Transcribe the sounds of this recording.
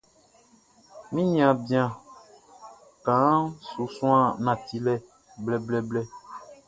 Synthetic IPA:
mĩ˦ɲĩ˨ã˨bi˨˦ã˨ | kã˨˦su˨sũ˦ã˦˨nã˨ti˦lɛ˦ | blɛ˨blɛ˦blɛ˦

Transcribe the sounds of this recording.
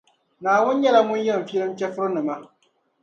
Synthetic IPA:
naː˨wʊ˦n˦ɲɛ˦la˦mʊ˦n˦jɛ˦˨m̩˨fi˦ɛ˦lɨ˦m˦t͡ʃɛ˦fʊ˦ɾo˦nɨ˨ma˦

